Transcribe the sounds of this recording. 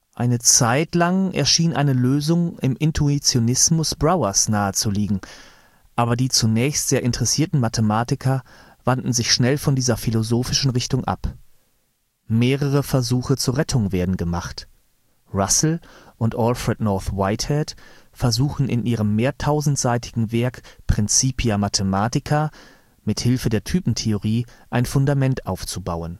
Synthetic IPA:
ʔaɪnət͡saɪtlaŋʔɛ̰ɐʃiːnʔa̰ɪnəløːzʊŋɪmʔɪntʰuit͡sjonɪsmʊsb̥ʁaʊɐsnaːət͡suliːɡŋ̩ | ʔaːbɐdiːt͡sunɛːçstz̥eːɐʔɪntəʁɛsiːɐtn̩matʰəmaːtɪkʰɐ | vandn̩zɪçʃnɛlfɔndiːzɐfilozoːfɪʃn̩ʁɪçtʊŋʔa̰p | meːʁəʁ̞əfɛɐzuːxət͡suːɐʁɛtʰʊŋveːɐdn̩ɡəmaχt | ʁasl̩ʔʊntʔɔlfʁɛtnɔɐθwaɪthɛtfɛɐzuːxn̩ʔɪ̰nʔiːʁəmːeːɐtʰaʊzn̩tz̥aɪtʰɪɡŋ̩vɛɐkpʁ̥ɪnt͡siːpʰiamatʰəmaːtɪkʰɐ | mɪthɪlfədeːɐtʰyːpn̩tʰeoʁiːʔaɪnfʊndamɛntʔaʊft͡subaʊən

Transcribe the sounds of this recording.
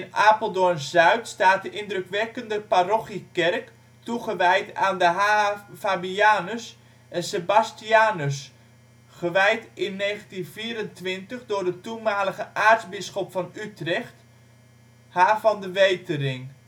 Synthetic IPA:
naːpolˠdonzœɥtstaːt̚dəʔɪndrøkʋɛkəndəparoχikɛrk | tuχəʋɛjtaːndəɦafabiaːnəs | ʔɛnsebastiaːnəs | χəʋɛjtɪnːeːχəntinviːɾəntʋɪntəχdʊːrdətumaːləɣəʔaːrtzbɪsχɔpfɑnytrɛxt | haːvɑndəʋejtərɪŋ

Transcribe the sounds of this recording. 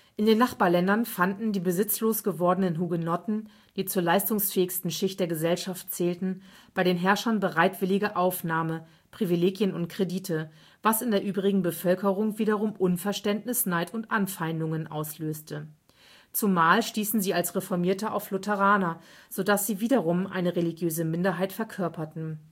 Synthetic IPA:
ʔɪndeːnːaχb̥aːɐlɛndɐnfandn̩diːbəzɪt͡sloːsɡ̥əvɔɐdənənɦuɡənɔtn̩ | d̥iːt͡suːɐlaɪstʊŋsfɛːɪçstn̩ʃɪçt̚d̥eːɐɡəzɛlʃaftt͡sɛːltn̩b̥aɪɾeːnɦɛɐʃɐnbəʁaɪtv̥ɪlɪɡɐʔaʊfnaːmə | pʁ̥ivileːɡjənʊntkʁ̥ediːtʰə | v̥asɪndeːɐʔyːbʁɪɡŋ̩bəfœlkəʁʊŋviːdɐʁʊmʔʊnfɛɐʃtɛntnɪsnaɪtʊntʔanfaɪndʊŋənʔa̰ʊsløːstʰə | t͡sumaːlʃtiːsn̩ziːalsʁefɔɐmiːɐtəʔa̰ʊflʊtʰɛʁaːna | z̥odasz̥iːviːdɐʁʊmʔa̰ɪnəʁeliɡjøːzəmɪndɐɦaɪtfɛɐkʰœɐpɐtn̩

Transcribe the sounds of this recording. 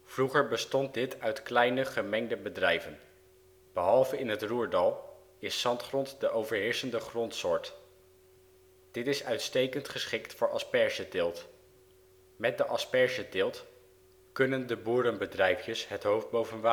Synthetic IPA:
v̥ruχəɹbəstɔnt̚dɪtʰœɥtklɛjnəχəmɛŋdəbədrɛjvən | b̥əɦɑlˠvəɪnɦətruːɹdɑlˠ | ɪsːɑntχrɔntdəʔowvəɹɦɪːɹsəndəχrɔntsʊːɹt | d̥ɪtɪsœɥtstejkəntχəsχɪktfʊːɹʔɑspɛɹzədɪːlˠt | mɛt̚dəʔɑspɛɹzədɪːlˠt | kɵnəndəbuːɾənbədrɛjfjəsɦətɦowfd̚bowvənʋa

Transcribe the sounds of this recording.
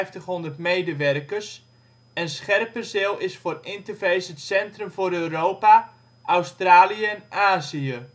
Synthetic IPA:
jftəχɦondərtmejdəʋɛrkərs | ɛnsχɛrpəsɪlˠɪsfoːrɪntərfejsətsɛntrɵmfoɾøːroːpa | ʔawstraːliəɛnaːziə

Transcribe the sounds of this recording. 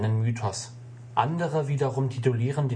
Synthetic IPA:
nənmyːtʰɔs | ʔandəʁəviːdɐʁʊmtʰituliːʁəndeː

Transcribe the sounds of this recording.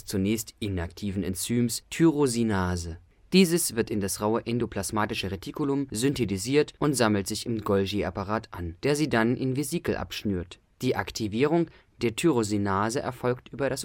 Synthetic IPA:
st͡sunɛːçstʔɪnaktʰiːvn̩ɛ̰nt͡syːmstʰyʁozinaːzə | d̥iːzəsv̥ɪɐtɪndasʁaʊəʔɛndopʰl̥asmaːtɪʃəʁediːkʊlʊmzʏntʰetiziːɐtʔʊntz̥aml̩tz̥ɪçɪmɡɔlʒeːʔapaʁaːtʔand̥eːɐziːdanʔɪ̰nveziːkl̩ʔa̰pʃnyːɐt | d̥iːʔaktʰiviːʁ̞ʊŋ | d̥eːɐtʰyʁozinaːzəʔɛɐfɔlktʔyːbɐɾas

